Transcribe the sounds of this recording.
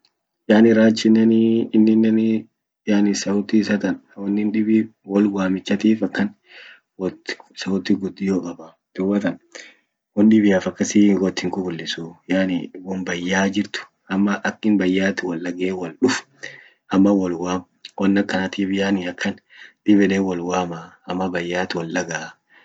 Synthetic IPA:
jaːnɪɾaːt͡ʃːɪnːɐniːnːɪnːɐn | jaːnɪsɐʊt̪isɐt̪ɐnwɔnːɪnᶑɪbɪwɔlwaːmɪt͡ʃːɐt̪iːfɐkːɐn | wɔsɐʊt̪ɪɡʊd̪ːɪjoːkʼɐbɐ | d̪̥ʊwɐt̪ɐn | wɔnᶑɪbɪjaːfɐkːɐsiːɡɔt̪ːhɪŋkʊbʊlːɪsuːjaːnɪ̰wɔnbɐjːaːd͡ʒɪɾt̪ʊ̥ | ɐmːɐʔɐkːɪnbɐjːaːt̪ɪwɐlːɐɡeːwɐlᶑʊf | ʔɐmːɐwɔlwaːm | wɔnːɐkːɐnɐt̪iːfɪjaːnɪɐkːɐn | ᶑɪbɪleːwɔlwaːma | ɐmːɐbɐjːaːt̪ɪwɐlʔɐɡaː

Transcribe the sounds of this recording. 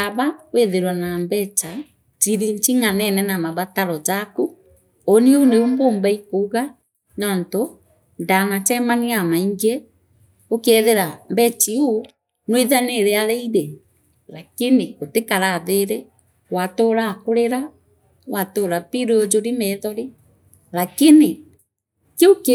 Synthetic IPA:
aβaweðeɾwanambɛt͡ʃa | t͡ʃiɾiɲt͡ʃiŋanɛnɛnamaβataɾɔd͡ʒaku | oniuneumboːmbaikouɣa | nɔːnto | ndanat͡ʃɛmaniamaiŋɡe | okeɛðeɾambɛt͡ʃiu | nweðaneɾeaɾeiɾe | lakinikotekaɾaːðeɾe | watoːɾakoɾeɾa | watoːɾapiɾeod͡ʒoɾimɛðɔɾi | lakini | keok

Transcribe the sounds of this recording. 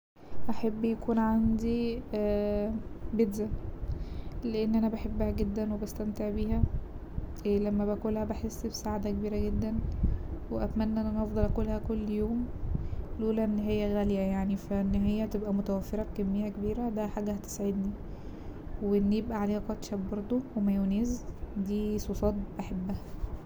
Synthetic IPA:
ʔaħabːjækuːnʕand̪i | bed̪zæ | leʔenːʔænæbaħebːæhæɡed̪ːænwebæst̪æmt̪eʕbiːhæ | elæmːæbækolhæbaħesːbsaʕad̪ækebiːɾæɡed̪ːænweʔæt̪mænːæʔenːʔænʔɑfd̪ˤɑlʔækolhækolːjoːm | lʔuːlæʔenːɦejːæɣæljæjaʕnifæʔenːɦejːæt̪ebʔæmot̪æwæfːeɾˤɑbkæmːejːækebiːɾæd̪æħaːɡæhæt̪e̥saʕed̪ni | weʔenːjebʔæʕaleːhæqɑt̪ʃæbbɑɾˤd̪ˤowemæjoneːzd̪iːsˤofɑːt̪̚baħebːæhæ

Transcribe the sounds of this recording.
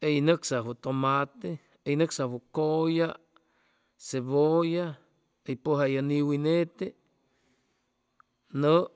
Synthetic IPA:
ejnɨksaɦot̪omat̪e | ejnɨksahukoja | seβoja | ejpoɦajaniwinet̪e | nə

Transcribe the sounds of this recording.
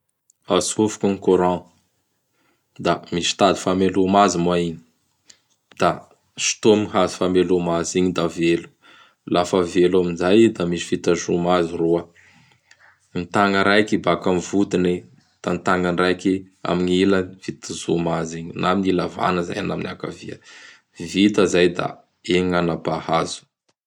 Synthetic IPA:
asufu̥kəŋikuɾɑ̃ | d̪amisi̥t̪ad̪i̥famelumazimaiɲi̥ | d̪̥a | ʃi̥t̪omiɦazi̥famelumaziɲid̪avelu̥ | lafəvelaminzajd̪amisi̥fit̪azumaziruə | nit̪aŋəɾajkibakamvut̪ine | d̪̥ant̪aŋənrajki | a̰miɲiləv̥it̪əzumaziɲinaminilava̰nəza̰jana̰miniaka̰viə | vit̪əzajd̪a̰ | eŋanabahazu̥

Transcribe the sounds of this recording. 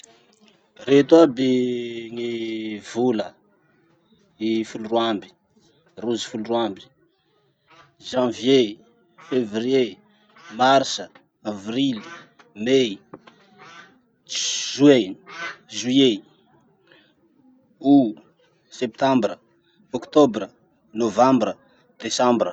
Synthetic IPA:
ret̪wabiŋivulə | ifulurwambi̥ | ruzi̥fulurwambi̥ | ʒãvje | fevrie | marsə | avrili̥ | me | ʒue | ʒuje | u | sep̚t̪ãmbɾə | ɔkt̪obrə | novãmbrə | d̪̥esãmbrə

